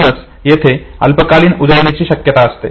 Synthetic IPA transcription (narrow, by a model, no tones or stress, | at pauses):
nəs | jet̪ʰeə̰lpəkaliːnud̪əɾɳ̃et͡ɕiːɕəkjət̪aəst̪ḛ